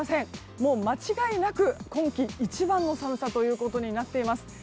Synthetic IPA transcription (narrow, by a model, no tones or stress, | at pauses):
sẽ̞ŋ | mo̞ːmat͡ɕiɡainakɯ̟kõ̞ŋkʲiːt͡ɕibãnːo̞samɯ̟sat̪o̞jɯ̟ːko̞t̪o̞ɲ̟inat̪ːe̞imasɨ̥